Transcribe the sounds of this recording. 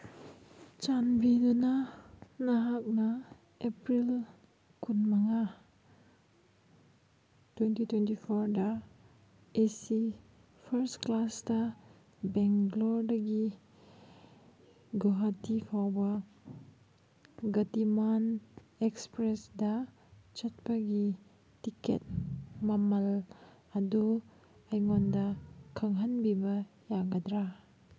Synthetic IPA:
t͡ʃanbidunanaɦak̚na | epɾil | kʰunmaŋa | twentitwentipʰoɾdɐ | esi | pʰɐɾstklasdɐ | beŋlɔɾdɐɡi | ɡuɦatipʰawbɐ | ɡɐtimanekspɾesdɐ | t͡ʃɐt̚pɐɡi | tikʰḛt̚mɐmɐl | ɐdu | ɐjŋondɐkʰɐŋɦɐnbibɐ | jaɡɐdɾa

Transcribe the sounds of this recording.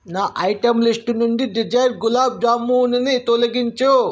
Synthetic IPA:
naːʔɐjʈɐmlisʈunuɳɖiɖid͡ʒɐjɾɡulaːb̚d͡ʒaːmːunɐnit̪olɐɡiɲt͡ʃu

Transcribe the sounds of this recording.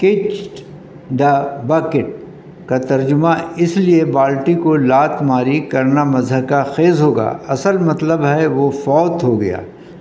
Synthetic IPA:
ket͡ʃʈ | ɖaːbaːkɪʈ̚ | kat̪ɐɾd͡ʒʊmaɪsliebaːlʈikolaːt̪ʰmaːɾikɐɾnamɐzɦəkaxeːzɦoːɡa̰ːɐsəlmɐt̪ləbɦɛʋofɔːt̪ɦoɡɐja̰ː

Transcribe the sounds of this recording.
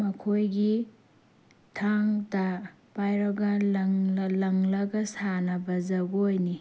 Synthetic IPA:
mɐkʰojɡi | tʰaŋtɐ | pajɾɐɡɐlɐŋllɐŋlɐɡɐsanɐbɐzɐɡojni

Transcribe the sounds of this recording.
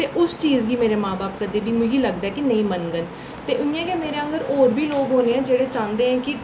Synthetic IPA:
t̪eːʔʊst͡ʃiːzɡiːmeːɾeːmãːbaːpkəd̪eːbiːmʊ̃ɡiːləɡd̪aɛːkinə̃ĩːmənɡən | t̪eːʔʊĩɛ̃ːkeːmeːɾeːəŋɡəɾoːɾbiːloːɡɦoːneːɛ̃ːd͡ʒeːɽeːt͡ʃãːnd̪eːɦɛ̃ːkɪ

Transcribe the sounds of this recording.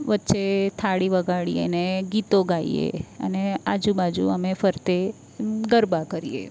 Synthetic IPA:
ʋətːʃet̪ʰaɽiʋəɡaɽḭə̰neɡit̪oɡaiḛə̰nead͡ʒubad͡ʒṵəmefəɾt̪e | ɡəɾbakəɾijḛ

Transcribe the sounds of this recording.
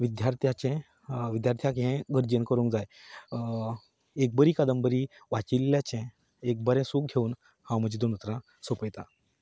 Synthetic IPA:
ʋid̪jaɾt̪ʰjat͡ɕɛ̃ | ʋid̪jaɾt̪ʰjakɦɛ̃ɡʱəɾd͡ʑənkəɾũŋkd͡zaj | ek̚bəɾiːkad̪əmbəɾi | ʋat͡ɕilːjat͡ɕɛ̃ | ek̚bəɾɛ̃suːk̚ɡʱeuːn | hãwm̤əd͡ʑiːd̪onət̪ɾã | sopəjt̪a

